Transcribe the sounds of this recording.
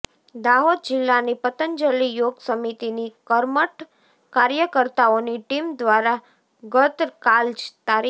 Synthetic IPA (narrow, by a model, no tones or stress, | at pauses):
d̪aɦod̪̚d͡ʒɪlːanipət̪ənd͡ʒəlijoɡsəmit̪inikəɾməʈ | kaɾjəkəɾt̪aoniʈimd̪ʋaɾa | ɡət̪ɾkald͡ʒt̪aɾi